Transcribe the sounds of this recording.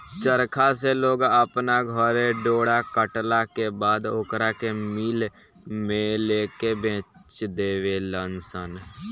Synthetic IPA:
t͡ʃəɾkʰaseloːɡəpnaɡʱəɾeɖoːɽakəʈlakebaːd̪okɾakemiːl | mẽleːkebẽːt͡ʃd̪eːʋelənsən

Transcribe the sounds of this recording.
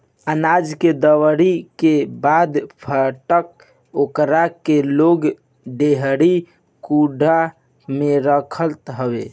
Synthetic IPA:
ənad͡ʒked̪əwəɾikebad̪pʰəʈək̚ | okɾakeloɡ | ɖeɦɽi | kuɖʱa | meɾəkʰəlt̪ɦəbḛ

